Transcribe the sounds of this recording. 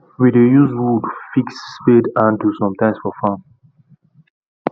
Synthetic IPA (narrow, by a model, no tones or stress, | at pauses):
widejuzwudfiksːpedãndusɔ̃mtãɪ̃msfɔfãn